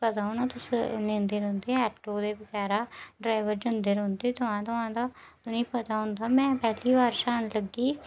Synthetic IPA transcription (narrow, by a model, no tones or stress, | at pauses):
pət̪aːonaːt̪ʊsnẽːnd̪eːɾõːnd̪eːɛːʈoːd̪eːbəkaːɾaːɖɾaːɪʋəɾd͡ʒənd̪eːɾõnd̪eːt̪ʊãːt̪ʊãːd̪aːt̪ʊnĩːpət̪aːɦʊ̃nd̪aːmɛ̃ːpɛːliːbaːɾʃaːnləɡiː